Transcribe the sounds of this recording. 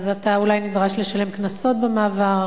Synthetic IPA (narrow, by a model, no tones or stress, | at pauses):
zataulajnidʁaʃle̞ʃale̞mknaso̞tbemaːvaʁ